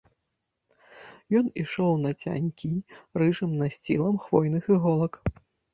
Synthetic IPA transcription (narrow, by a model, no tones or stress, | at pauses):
jɔniʂɔwnɐt͡sʲa̰nʲkʲirɨʐɨmnɐsʲt͡sʲḭlˠɐmxvɔjnɨxɨɣɔlˠɐk